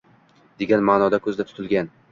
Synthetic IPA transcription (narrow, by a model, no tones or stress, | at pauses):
d̪̥e̞ɡʲanmaːnɒd̪akʰɵzd̪at̪ʰʊ̥t̪ʰɪlɡʲan